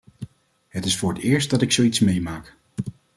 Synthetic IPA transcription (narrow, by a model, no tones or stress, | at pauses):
ɦətɪsfʊːɹɦətɪːɹst̚dɑtɪksowitsmejmaːk